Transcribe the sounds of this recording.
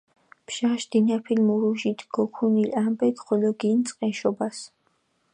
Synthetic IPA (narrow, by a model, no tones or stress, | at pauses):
pʰʃaʃd̪̥inapʰilmuɾuʒit̪ʰɡ̥ɔkʰunilambɛkχɔlɔɡint̪sʼqʼɛʃɔbas